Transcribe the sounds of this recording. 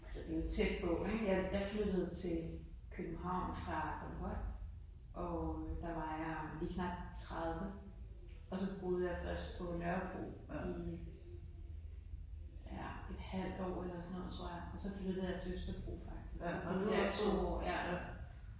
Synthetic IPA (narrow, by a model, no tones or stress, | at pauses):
ælsɒd̥e̝jo̝t͡sʰed̥̚b̥ɔʊeɡ̥jɑjɑ̈ɪflød̥əð̞̩ˠt͡sʰe̝l | kʰøb̥m̩hɑ̈ʊ̰nfʁɑ̈kʰolhɒ̰ | ʔɒ̽d̥ɑ̈ʋɑ̈jɑ̈liːkʰnɑ̈b̥̚t͡sʰʁað̞ˠʋə | ɒ̽sɒ̽b̥ʁo̝ːð̞̩ˠjɑ̈fɶɐsɡ̥̚pʰɒ̽lɶɐb̥ʁo̝̰ːi̥ | æ̰e̝d̥hæl̰d̥ɒ̰ːelɐsɒnɔ̽ð̩̰ˠt͡sʰoɐ̰jɑɒ̽sɒ̽flød̥ð̩ˠjɑ̈t͡sʰe̝øsd̥ɐb̥ʁo̝̰ːfɑ̈ɡ̥̚d̥isɡ̥odt͡sʰo̝̰ːɒ̰ːjæ̥